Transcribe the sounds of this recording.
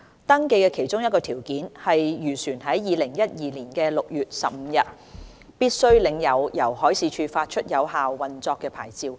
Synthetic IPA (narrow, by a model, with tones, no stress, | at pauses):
t̪ɐ˥ŋke˧jkɛː˧kʰe˨˩jt͡ʃʊ˥ŋjɐ˥t̚kːɔː˧t̪ʰiː˨˩wkiː˨˥nhɐ˨jːyː˨˩syː˨˩nɦɐ˨˥jːiː˨˧lɪ˨˩ŋjɐ˥t̚jiː˨liː˨˩nkɛː˧lʊ˨k̚jyː˨t̚sɐ̰˨p̚m̩˨˧jɐ˨˧t̚ | piː˥t̚sɵ˥ɥlɪ˨˧ŋjɐ˨˧wjɐ˨˩whɔː˨˥jsiː˨˧t͡ʃʰyː˧faː˧t̚t͡ʃʰɵ˥t̚jɐ˨˧whaː˨wːɐ˨nt͡sɔː˧kːɛː˧pʰa̰ː˨˩jt͡siː˧w